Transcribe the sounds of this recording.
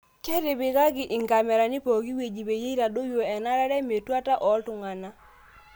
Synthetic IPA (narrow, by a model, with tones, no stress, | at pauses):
t͡ʃɛ˦ɾɪ˨bɪ˨ka˦ɡɪ˨ʔɪ˨ŋɡa˨mɛ˨ɾa˨nɪ˦po˨ɡi˦we˨d͡ʒi˨be˨je˦i˦ɾa˨do˦jo˨ɛ˨na˦ɾa˦ɾɛ˦me˨twa˦ta˦ʔɔ˨˦ltʊ˨ŋa˨na˦